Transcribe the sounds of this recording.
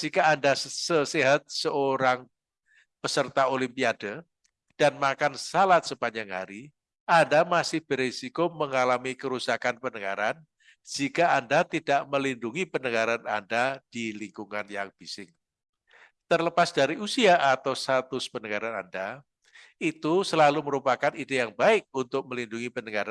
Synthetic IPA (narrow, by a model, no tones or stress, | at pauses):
d͡ʒ̥ikaːndasəseɦat̪̚səoɾaŋ | pəsərt̪aolimpiadə | d̥anmakansalat̪̚səbaɲd͡ʒaŋha̰ɾi | ʔandamasɪhb̥əɾesikoməŋalamikəɾusakanpənəŋaɾan | d͡ʒ̥ikaːndat̪idaʔməlinduŋipənəŋaɾanandad̥iliŋkuŋanjaŋb̥isɪŋ | t̪ərləpasd̥aɾiʔusiaʔat̪awst̪at̪ʊspənəŋaɾana̰nda | it̪usəlaluməɾupakanidejaŋbaɪk̚unt̪ʊk̚məlinduŋipənəŋaɾa